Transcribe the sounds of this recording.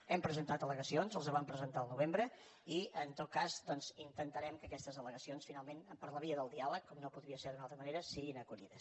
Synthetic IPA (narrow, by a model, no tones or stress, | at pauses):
ɛmpɾəzənt̪at̪ələɣəsionzəlˠzəβampɾəzənt̪aəlˠnuβ̞embɾə | iənt̪ot̪̚kazd̪ɔnzint̪ənt̪əɾɛmkəkɛst̪əzðələɣəsionsfinalˠmenəpəɾləβiəðəlˠd̪ialəkːɔmnopuðɾiəseɾðunalˠt̪ɾəməneɾəsiɣinəkuʎiðəs